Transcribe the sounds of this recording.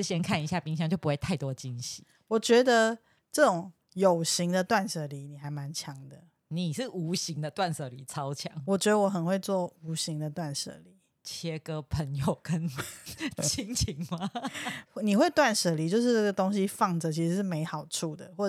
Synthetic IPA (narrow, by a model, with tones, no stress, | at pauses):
ɕjɛ˥nkʰa˥˨ni˧˦ɕja˥˩pi˥ŋɕjɑ˧˦ŋt͡ɕjo˥˩ʊpu˧˦we˥˩ɪt̪ʰa˥˩ɪt̪wɔ˥t͡ɕi˦nɕi˨˦ | wɔ˨˩t͡ɕɥɛ˧˥d̪ə˧ | ʈ͡ʂɤ˥˩ʈ͡ʂʊ˨˩ŋ | jo˨˩ʊɕi˧˥ŋd̪ə˨t̪wa˥˩nʂɤ˨˩li˧˥ni˨˩xa˧˥ɪma˧˦nt͡ɕʰjɑ˧˥ŋd̪ə˨ | ni˨˩ʂɻ̩˥˩u˧˥ɕi˧˦ŋd̪ə˨t̪wa˥˨nʂɤ˨˩li˨˩˦t͡sʰɑ˦ʊt͡ɕʰjɑ˨˦ŋwɔ˨˩t͡ɕɥɛ˧˥d̪ə˧wɔ˧˩xə˨˩nxwe˥˧ɪt͡swɔ˥˩u˧˥ɕi˧˥ŋd̪ə˨t̪wa˥˨nʂɤ̰˨˩li˨˧˦ | t͡ɕʰjɛ˧˥kə˦pʰə˧˦ŋjo˨˩ʊkə˦n | t͡ɕʰi˧˥ŋt͡ɕʰi˨˥ŋma˧˥ | ni˨xwe˥˧ɪt̪wa˥˨nʂə˨˩li˨˦t͡ɕjo˥˧ʊʂ̬ɻ̩˥˧ʈ͡ʂɤ˥˩ɡə˩t̪o˥ŋɕ̬i˦fɑ˥˩ŋd͡zə˨t͡ɕʰi˧˥ʂ̩˧˥ʂɻ̩˥˩me˧˥ɪxɑ˨˩ʊʈ͡ʂʰu˥˩d̪ə˩xwɔ˥˩